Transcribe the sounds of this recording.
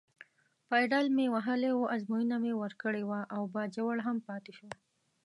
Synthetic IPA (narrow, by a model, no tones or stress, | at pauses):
fɑjɖalmewaɦəlewoʔazmujunamewəɾkəɽewaʔawbɑd͡ʒawaɽɦampɑt̪eʃo